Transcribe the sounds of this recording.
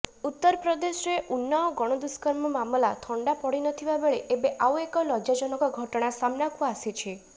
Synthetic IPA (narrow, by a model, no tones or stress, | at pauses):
ut̪ːɔɾɔpɾɔd̪esɾeʔunːɔɔɡɔɽ̃od̪uskɔɾmɔmamlat̪ʰɔɳɖapɔɽinɔt̪ʰibabeɭeʔebeʔawekɔlɔd͡ʒad͡ʒɔnɔkɔɡʱɔʈɔɽ̃asamnakuaːset͡ʃʰe